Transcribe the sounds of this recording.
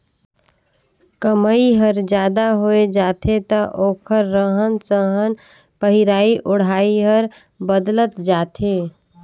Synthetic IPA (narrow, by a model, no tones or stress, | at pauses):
kəməiɦəɾd͡ʒjaːd̪aɦoːed͡ʒaːt̪ʰet̪aʔoːkʰəɾːəɦənsəɦən | pəɦiɾaːiʔʊɽ̤aːiɦəɾ | bəd̪lət̪d͡ʒaːt̪ʰeː